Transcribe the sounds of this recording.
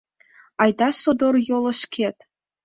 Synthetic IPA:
ɑjd̪ɑsod̪orjolˠɤ̆ʃkʲʰet̪

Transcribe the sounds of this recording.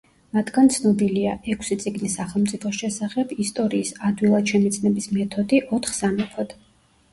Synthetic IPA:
mat̪ʰɡ̥ant̪sʰnɔbiliaʔɛkʰsit̪sʼiɡnisːaχɛlˠmt̪sʼipʰɔsʃɛsaχɛb̥ist̪ʼɔɾiːsad̪wilˠad̪ʃɛmit̪sʰʼnɛbismɛt̪ʰɔd̪iʔɔt̪ʰχsamɛpʰɔd̪̥

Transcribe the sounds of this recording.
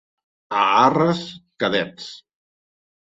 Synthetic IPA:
aarəskaðɛt͡s

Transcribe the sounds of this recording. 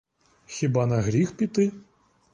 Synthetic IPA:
xʲibanɐɣɾʲixpʲit̪ɪ

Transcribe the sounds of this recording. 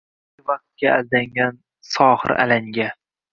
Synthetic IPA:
vaq̚t̪̚ɡʲaald̪aŋʲan | sɒhɨ̰ɾa̰laŋɡʲa

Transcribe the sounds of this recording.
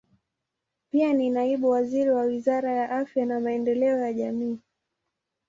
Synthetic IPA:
pianinaiɓuwaziɾiwawizaɾajaʔafjanamaɛndɛlɛɔjaʄamiː

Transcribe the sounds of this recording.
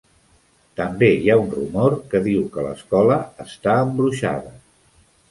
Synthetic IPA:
t̪əmbejaunrṵmoɾkəðiwkələ̰skɔləːst̪aəmbɾuʃa̰ðə

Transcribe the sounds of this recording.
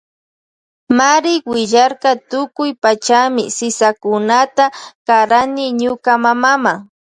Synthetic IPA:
maɾɪkwɪʎɑɾkɑt̪ʊkʊjpat͡ʃamɪ̰sɪsakʊnat̪akaɾanɪɲʊkamamama

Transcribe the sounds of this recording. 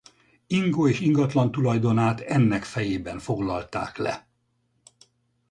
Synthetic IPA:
iŋɡoːeːʃiŋɡɒt̪lɒnt̪ulɒjd̪o̞naːt̪ɛnːɛkfɛjeːbɛɱfo̞ɡlɒlt̪a̰ːklɛ̰

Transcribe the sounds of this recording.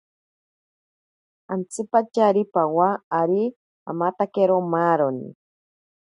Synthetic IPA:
ant͡sipat͡ʃaɾipawaːɾi | a̰mat̪akeɾomaɾonḭ

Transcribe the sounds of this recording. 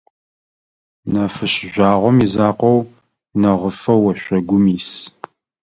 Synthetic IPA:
nɐfɨɕʒʷaːʁʷɔmizaːqʷɔw | nɐʁəfɐwɐʃʷɐɡʷʊmiːs

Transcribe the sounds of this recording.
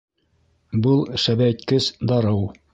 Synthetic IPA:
bɤlˠʃæbæɘt̪kɘsd̪ɑɾɤw

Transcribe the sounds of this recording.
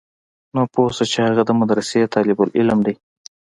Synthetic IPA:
noposat͡ʃehaɣad̪əmad̪ɾaset̪ɑlɪbʊlɪlmd̪i

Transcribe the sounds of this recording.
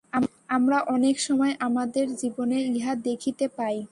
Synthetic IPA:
amɾaʔɔnekʃɔmɔeʔamad̪eɾd͡ʑiboneiɦad̪ekʰit̪epaj

